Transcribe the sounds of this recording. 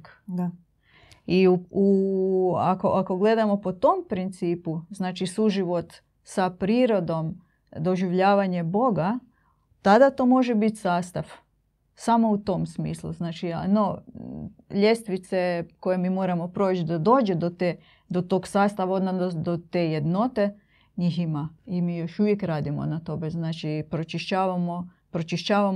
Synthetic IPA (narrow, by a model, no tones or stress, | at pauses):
k | iuu | akoʔako̞ɡle̞d̪amo̞po̞t̪ompɾint̪siːpuznaːt͡ʃisuʒiʋo̞t̪ | sapɾiːɾo̞d̪o̞m | d̪o̞ʒiʋʎaːʋaɲe̞bo̞ɡa | t̪ad̪at̪o̞ːmo̞ʒebit̪saːst̪aʋ | samo̞ut̪o̞msmḭːslṵznaːt͡ʃia̰no | ʎʲe̞st̪ʋit̪seko̞jemiːmo̞ːɾamo̞pɾoːt͡ʃd̪ad̪o̞ːd͡ʒed̪ot̪e | d̪ot̪o̞ːɡsaːst̪aʋaod̪nad̪od̪ot̪eje̞d̪no̞t̪e | ɲiːximaimiːjo̞ʃuʋjekɾaːd̪imo̰nat̪o̞beznaːt͡ʃipɾot͡ʃiʃt͡ɕaːʋamo | pɾot͡ʃiʃt͡ɕaːʋa